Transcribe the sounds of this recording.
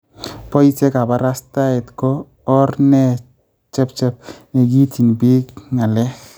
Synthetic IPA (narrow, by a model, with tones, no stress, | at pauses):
pɔ˦jsɛ˦ka˨ba˦ɾa˦sta˦ɛ˨tkɔː˦ | rnɛ˦ | t͡ʃɛ˦p̚t͡ʃɛ˦p̚ne˨ɡi˦ti˨nbi˦kŋa˨lɛ˦x